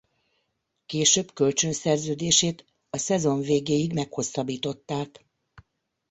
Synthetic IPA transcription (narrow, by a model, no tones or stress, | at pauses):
keːʃøːbkø̞lt͡ʃønsɛrzøːd̪eːʃeːt̪ | ɒsɛzo̞ɱveːɡeːjiɡmɛkho̞sːɒbiːt̪o̞t̪ːaːk